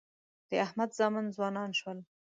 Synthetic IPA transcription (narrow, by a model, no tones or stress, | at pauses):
d̪̥əahmad̪zɑmanzwɑnɑnʃwəl